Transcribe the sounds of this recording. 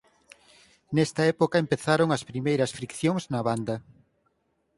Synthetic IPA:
nɛst̪ɐɛpokɐempeθaɾoŋɐspɾimejɾɐsfɾikθjoŋznɐβand̪ɐ

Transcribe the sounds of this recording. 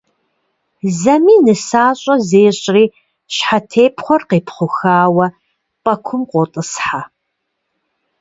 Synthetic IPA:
zɐmiːnɨsaːɕʼɐzeːɕʼriː | ɕħatʰeːpʰχʷɔrqeːpʰχʷʊxaːwɐ | pʼɐkʷʰʊmqʷotʼɨsħa

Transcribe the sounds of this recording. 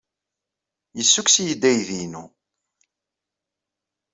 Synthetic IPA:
jəsːuksjəd̪ːæjðinṵ

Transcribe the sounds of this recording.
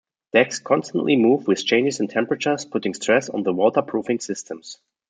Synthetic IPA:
d̥ɛkskʰɑ̃nstə̃nʔlimuvwɪð̥t͡ʃʰẽɪ̃nd͡ʒɪzɨ̃ntʰɛ̃mpɹət͡ʃə˞z̥pʰʊtɪ̃ŋstʰɹ̥ɛsn̩ðəwɔtə˞pʰɹ̥uvɪ̃ŋsɪstʰə̃ms

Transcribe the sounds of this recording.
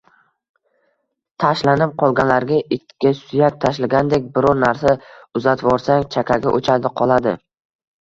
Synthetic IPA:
t̪ʰaʃlanɪp̚qʰɒlˠɡʲanlaɾɡʲaʔɪt̪ʰːɪ̥ɡʲasʊjak̚ʲt̪ʰaʃlaɡʲand̪ek̚ʲbɪɾɒɾnaɾsaʊzat̪ʰvɒɾsaŋt͡ʃʰakʲʰaɡʲaʔot͡ʃʰad̪ɪqʰɒlˠad̪ɪ̰

